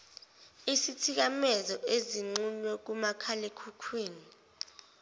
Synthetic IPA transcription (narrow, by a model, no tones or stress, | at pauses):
isitʰik̬amɛzɔʔeziŋ͡ǀuɲwɛk̬umakʰalekʰukʰweːni